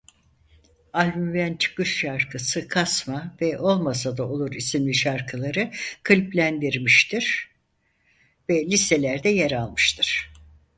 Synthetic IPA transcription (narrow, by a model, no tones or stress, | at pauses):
alʲbymvænt͡ʃʰɯ̥kɯʃʃaɾkʰɯsɯkʰasmavɛʔo̞lˠmasad̪ao̞lˠuɾisimlʲiʃaɾkʰɯlˠaɾɯkʰɯlʲplʲænd̪iɾmiʃt̪ʰiɾ̥ | vɛlʲiselʲæɾd̪ɛjaɾalˠmɯʃt̪ʰɯɾ̥